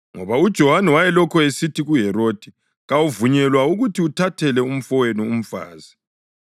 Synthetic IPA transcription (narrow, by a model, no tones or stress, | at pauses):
ŋɔ̰βaud̥ʒ̥ʱɔɦanɛwajɛlɔkʰɔesitiɣuɦɛɾoːd̥ʱi | ɣawuvuɲɛlwauɣutʰiutʰatʰɛlɛum̩fɔwenium̩fa̰ːzi